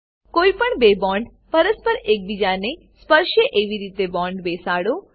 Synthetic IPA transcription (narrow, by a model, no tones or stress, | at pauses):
koipəɳbebɔɳɖ | pəɾəspəɾek̚bid͡ʒane | spəɾʃjəʔeʋiɾit̪ebɔ̃ɳɖbesaɽo